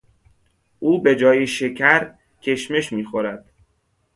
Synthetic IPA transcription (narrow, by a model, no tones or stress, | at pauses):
ʔuːbe̞d͡ʒɒːjeʃecʰæɾ | cʰe̞ʃme̞ʃmiːxoɾæd̪̥